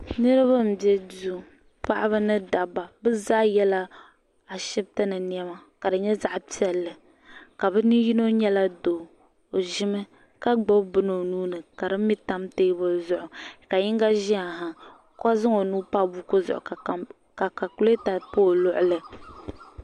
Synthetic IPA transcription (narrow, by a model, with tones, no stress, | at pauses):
nɨ˦ɾɨ˦βa˦m̩˨bjɛ˦du˦ | pa˦ʔa˦bɨ˦nɨ˦da˨ba˨bɨ˦za˦jɛ˦la˦ | a˨ʃɪ˦b̚ta˦nɨ˨n˦˨ɛ˦ma˨ka˨dɨ˨ɲɛ˦za˦ʔpi˦ɛ˨lːɨ˨ | ka˨bɨ˦ni˦ji˦no˦ɲɛ˦la˦do˨ | o˨ʒɪ˦mɨ˦ | ka˦ɡ͡bɔ˦bbɨ˦no˨nuː˦nɨ˨ka˨dɨ˦mi˦ta˦mte˦bʊ˦zʊ˨ʔʊ˨ka˨jɪ˦ŋɡa˦ʒɪ˦a˨ɦa˨ | kɔ˦zɨ˦ŋo˨nuː˦pa˦bu˦ko˦zʊ̰˨ʔʊ̰˨ | ka˨ka˨ku˨˦le˦ta˨po˦˨lʊ˦ʔʊ˦lɨ˨